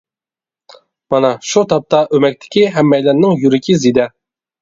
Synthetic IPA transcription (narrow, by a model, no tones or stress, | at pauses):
mɑnɑʃut̪ʰɑp̚t̪ʰɑʔømɛk̚ʲt̪ʰɪ̥kʲiɦɛmːɛjlɛnnɪŋjyɾɪkʲizid̪ɛ